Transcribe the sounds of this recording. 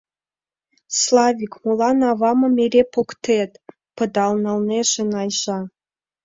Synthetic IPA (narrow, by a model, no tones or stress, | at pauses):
slˠɑvʲikmulˠɑnɑvɑmɤ̆mʲeɾʲepokt̪et̪ | pɤ̆d̪ɑlnɑlneʃɘ̆nɑjʒɑ